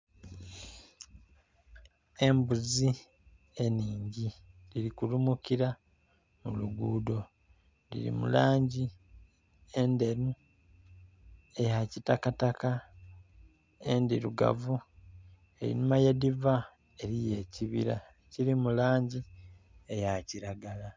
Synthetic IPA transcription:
e̞mbuzi | e̞niːɲɟiliɾikulumukiɾa | muluɡuːdo̞ | lḭɾḭmṵlaːɲɟi | e̞nde̞nu | e̞jacitakataka | endiɾuɡa̰vu | ḛɾḭnumajediva | e̞ɾije̞ːciβḭɾa | ciɾimulaːɲɟi | e̞jaciɾaɡala

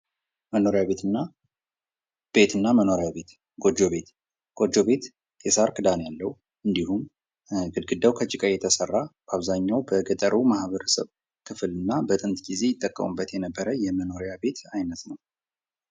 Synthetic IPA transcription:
məno̞ɾejaβe̞t̪ʰɨnːa | b̥e̞t̪ʰɨnːaməno̞ɾjaβe̞t̪ | ɡ̥o̞d͡ʒo̞βe̞t̪ | ɡ̥ʼo̞d͡ʒːo̞βe̞t̪ | jɛsaɾkʼɨd̪anjalːəhu | ʔɨnd̪ihum | ɡɨd̪ɡɨd̪ːawkʰət͡ʃʼɪkʼəjɛt̪ʰəsərːabaβzaɲːawbəɡət̪ʼəɾʔumahβəɾəsə̰β | kʰɨflɨnːabət̪ʼɨnt̪ʼɡize̞jɪt̪ʼːəkʼːə̰mubːət̪jɛnəbːəɾəjɛməno̞ɾejabe̞t̪ajnət̪nəw

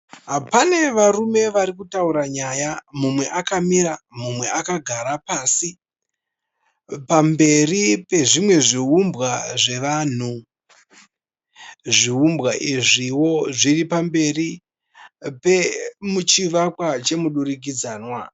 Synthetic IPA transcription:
ɦapane̞ʋarume̞ʋaɾikutauɾaɲajamumwe̞ʔakamiɾamumwe̞akaɡʱaɾapaːsi | pambe̞ripe̞ʐimwe̞ʐiumbɣaʐe̞ʋaːn̤u | ʐiɦumbɣaʔiʐiwo̞ʐiripambe̞ri | pe̞mut͡ʃiʋakwat͡ʃe̞muɗuɾik̬id͡zaːnwa

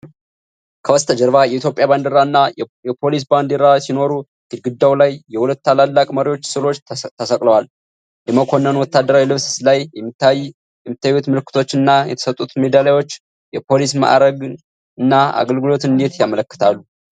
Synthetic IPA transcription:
kʰəwɔst̪ʰəd͡ʒɛɾβajɛit̪jo̞pʼjaband̪ɨɾanːajɛpʰo̞lis̬band̪ɨɾasino̞ɾu | ɡɨɡɨd̪ːawlajːɛhulət̪ːalalːakʼməɾiwo̞t͡ʃːsɨɾo̞t͡ʃːt̪ʰːəsəkʼləwal | jɛməkʰo̞nːənwɔt̪ːad̪ːəɾawilɨβsslaj̪a | jɛmɨt̪ːajut̪mɨlkʰːɨ̥t̪ʰo̞t͡ʃːɨnːajɛ̰t̪ʰə̥sət̪ʼːut̪med̪alajwo̞t͡ʃː | jɛpʰo̞lisma̰ʔɾəɡ | ɨnːaa̰ɡəlɡɨlo̞t̪ɨnd̪et̪jamələkːɨ̥t̪ʰalːu

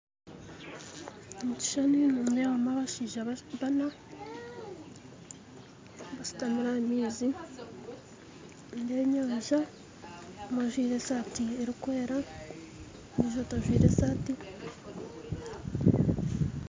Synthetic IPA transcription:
muci̥ʃanineβamaβaʃiːʒaβana | βasu̥tamiɾamiːzi | ndeɲaʒa | maʒwiːɾe̞saːtieɾikweːɾa | niʒotaʒwiːɾesaːti

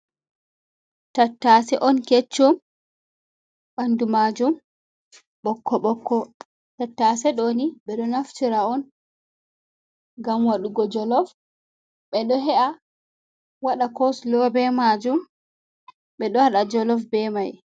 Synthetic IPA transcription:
tatːasɛʔɔnket͡ʃːum | ɓandumad͡ʒum | ɓɔkʰːɔɓɔkːɔ | tatːasɛɗoniɓɛɗɔnaftiɾaɔn | ɡamwaɗuɡɔd͡ʒɔlɔf | ɓɛɗɔɦɛʔa | waɗakɔslɔbɛmad͡ʒum | ɓɛɗɔhaɗad͡ʒɔlɔfbɛmaj

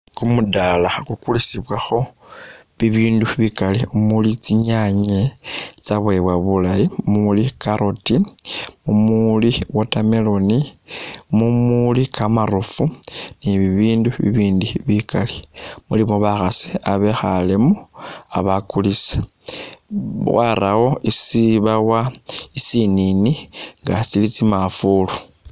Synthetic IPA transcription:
kumudalakukulisiβwaxo̞ | βiβiːnduβikaliumulit͡siɲaɲet͡saβweβwaβulajimumulikaɾʔo̞timumuliwotamelo̞ni | mumulikʰamaɾufuniβiβiːnduβḭβiːndiβikalimulimuβaxasi̥aβe̞xalemuaβakulisḁ | β̰waɾawo̞isiβawaisininiŋɡat͡silit͡simafulu

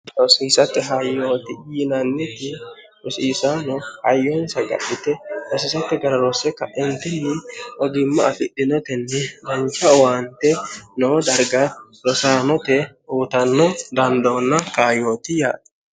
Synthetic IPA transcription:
ɔsiːsɐt̪ːɛɦɐjːoːt̪ɪɪnɐnːɪt̪ɪ | ʔɔsiːsanɔhɐjːɔnsɐɡɐ̰ʔɪt̪ɛʔɔsɪsɐt̪ːɛɡɐɾɐɾɔsɛkɐʔɛnt̪ɪnːɪʔɔɡɪmːɐ̰ʔɐfɪɗːɪnɔt̪ɛnːɛd̪ɐnt͡ʃːɐɔwant̪ɛnoːd̪ɐɾɡɐɾɔsaːnɔt̪ɛʔuːt̪ɐnːɔd̪ɐnd̪oːnːɐkaːjoːt̪ɪjaː

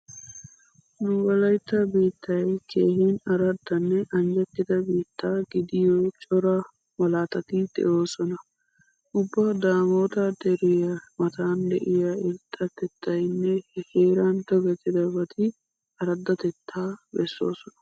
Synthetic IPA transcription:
nʊwɐlɐjt̪ːɐbiːt̪ːɐjkʰeːɦinɐɾɐd̪ːɐnːɛʔɐnd͡ʒɛt̪ːɪd̪ɐbiːt̪ːaːɡɪd̪ɪjoːt͡ʃʼɔɾɐ | mɐlaːt̪ɐt̪ɪd̪ɛ̰ʔo̞ːsɔnɐ | ʔʊbːɐd̪aːmoːt̪ɐt̪ɛɾɪjɐmɐt̪aːnd̪ɛ̰ʔɪjɐɪɾt̪ʼːɐt̪ɛt̪ːɐjnːɛheːɾɐnt̪ɔɡɛt̪ɪd̪ɐbɐt̪ɪ | ɐɾɐd̪ːɐt̪ɛt̪ʰːaːbɛsːo̞̰ːsɔnɐ

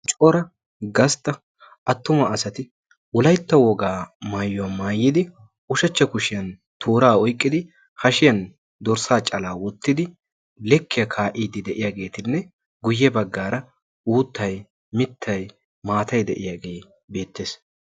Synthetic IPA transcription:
t͡ʃʼɔɾɐ | ɡɐst̪ːɐ | ʔɐt̪ːʊmɐʔːsɐt̪ɪ | wɔlɐjt̪ːɐwɔɡaːmaːjːʊɐmaːjːɪd̪ɪ | ʊʃɐt͡ʃːɐkʊʃɪjɐn | t̪ʰoːɾaːɔjkʼːɪd̪ɪ | hɐʃɪjɐn | d̪ɔɾsaːt͡ʃʼɐlaːwɔt̪ːɪd̪ɪ | lɛkːɪjɐkʰaːʔiːd̪ɪd̪ɛʔɪjaːɡe̞ːt̪ɪnːɛ | ɡʊjːɛbɐɡːaːɾɐ | uːt̪ːɐj | mɪt̪ʰːɐj | maːt̪ɐjd̪ɛʔɪjaːɡe̞ː | be̞ːt̪ːe̞ːs

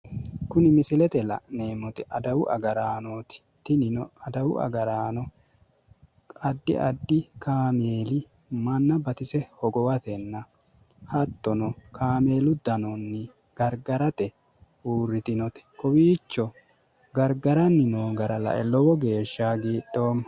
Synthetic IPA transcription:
kʊnɪmɪsɪlɛt̪ɛlɐ̰neːmɔt̪ɛʔɐd̪ɐwʊʔɐ̰ɡɐɾaːnoːt̪ɪ̥ | t̪ɪnɪnɔɐd̪ɐwʊ̰ɐ̰ɡɐɾaːnɔ | ɐd̪ːɪ̰ʔɐd̪ːɪkaːmeːlɪ | mɐnːɐbɐt̪ɪsɛhɔɡɔwɐt̪ɛnːɐ | hɐt̪ːɔnɔkaːmeːlʊd̪ɐnɔnːɪ | ɡ̥ɐɾɡɐɾɐt̪ɛ | uːrːɪt̪ɪnɔt̪ɛ̥kɔwiːt͡ʃːɔ | ɡɐɾɡɐɾɐnːɪnoːɡɐɾɐlɐ̰ʔɛlɔwɔɡe̞ːʃːaːɡiːɗːo̞ːmɐ

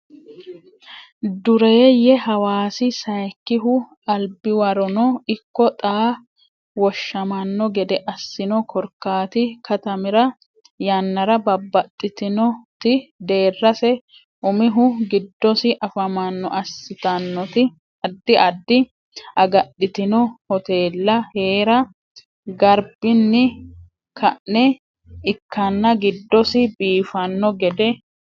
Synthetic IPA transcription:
d̪ʊɾɛːjɛɦɐwaːsɪsɐjkːɪɦʊ | ɐlbɪwɐɾɔnɔɪkːɔt̪ʼaː | wɔʃːɐmɐnːɔɡɛd̪ɛʔɐsːɪnɔkʰɔɾkːaːt̪ɪkʰɐt̪ɐmɪɾɐ | janːɐɾɐbɐbːɐt̪ʼːɪt̪ɪnɔt̪ɪd̪e̞ːrːɐsɛ | ʔʊmɪɦʊɡɪd̪ːɔsɪʔɐfɐmɐnːɔʔɐsːɪt̪ɐnːɔt̪ɪ | ɐd̪ːɪʔɐd̪ːɪ | ʔɐɡɐɗːɪt̪ɪnɔhɔt̪e̞ːlːɐheːɾɐ | ɡɐɾb̥ɪnːɪ | kʰɐʔnɛ | ɪkːɐnːɐɡɪd̪ːɔsɪbiːfɐnːɔɡɛd̪ɛ

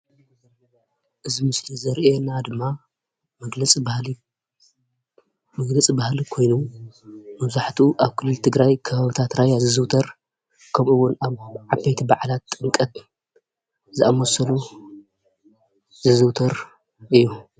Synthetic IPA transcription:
ʔɨzimɨslizɐɾʔenad̪ɨmːa | mɐɡlɐt͡sʼibahli | mɐɡlɐt͡sʼibahlikʰo̞jnu | mɐβzaħt̪ʰuʔaβkʰɨlːɨlt̪ʰɨɡɾajkʰɐβaβɨt̪ʰat̪ɾajːazɨzɨwt̪ʰɐɾ | kʰɐmɨwːʊnaʕabɐjt̪ʰibaʕlat̪ʼːɨŋkʼɐt̪ | zɨʔamosɐlu | zɨzɨwt̪ʰɐɾ | ʔɨjːu

